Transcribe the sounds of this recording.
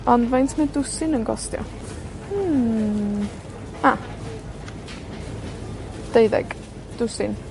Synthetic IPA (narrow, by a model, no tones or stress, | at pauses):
ɔndvajntʰmɛdʊsɪnənɡɔ̰stjɔ̰ | a | d̥ejðɛ̰ɡ̥ | d̥ʊsɪn